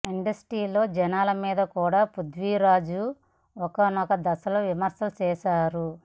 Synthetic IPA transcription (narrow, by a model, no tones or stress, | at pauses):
iɳɖɐsʈiːlo̞ːd͡ʒɛnaːlɐmiːd̪ɐkuːɽaːpud̪ʋiɾaːd͡ʒu | ɔkɐnɔkɐd̪ɐsɐlɐʋimɐɾsɐlut͡ʃɛːʃaːɾu